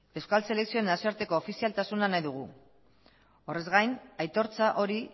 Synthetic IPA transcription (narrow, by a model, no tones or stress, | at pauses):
e̞wskalse̞le̞ksio̞enasioaɾt̪e̞ko̞ːfisialt̪asunanajðuɣ̞u | o̞re̞zɣajnajt̪o̞ɾt͡saʔo̞ɾi